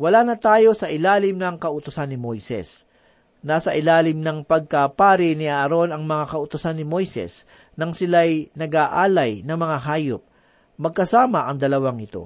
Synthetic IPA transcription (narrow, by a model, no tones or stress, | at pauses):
wɐlaːnɐt̪aːjo̞sɐʔɪlaːlɪmnɐŋkɐʔʊt̪ʊsanːɪmojsɛ̰s | naːsɐʔɪlaːlɪmnɐŋpɐɡ̚kɐpaːɾɪnɪʔaɾo̞nɐŋmɐŋakɐʔʊt̪ʊsanːɪmo̞jsɛ̰s | nɐŋsɪlajnɐɡaːʔaːlɐjnɐŋmɐŋaɦaːjʊp̚ | mɐɡ̚kɐsaːmɐʔɐŋd̪ɐlɐwaŋʔɪt̪o̞̰